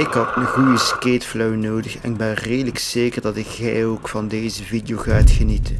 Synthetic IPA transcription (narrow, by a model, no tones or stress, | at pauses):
ɪkɦətməɣujəskeːtflœwnoːdəxɛ̰nɪɡ̚bɛnreːdələkseːkərdɑtɪkxɛjoːkfɑndeːzəvidejoːɣaːtxənitən